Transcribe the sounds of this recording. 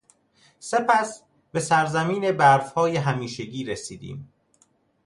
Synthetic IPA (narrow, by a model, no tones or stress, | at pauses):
se̞pʰæs | be̞sæɾzæmiːne̞bæɾfhɒːjeɦæmiːʃeɟiːɾesiːd̪ḭːm